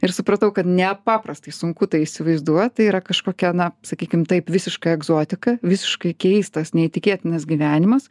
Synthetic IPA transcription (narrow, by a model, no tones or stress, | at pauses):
ɪɾsʊpɾɐt̪ɐʊkɐt̪nʲɛpɑːpɾɐst̪ɐɪsʊŋkʊt̪ɐɪiʃʲsʲɪʋɐɪzd̪uɔjt̪ɐɪiːɾɐkɐʃkoːkʲɛnɐsɐkʲiːkʲɪmt̪ɐɪpʋʲɪsʲɪʃkɐɛɡzoːt̪ʲɪkɐʋʲɪsʲɪ̥ʃkɐɪkʲɛɪst̪ɐsnʲɛit̪ʲɪkʲeːt̪ʲɪnɐsɡʲiːʋʲæːnʲɪmɐs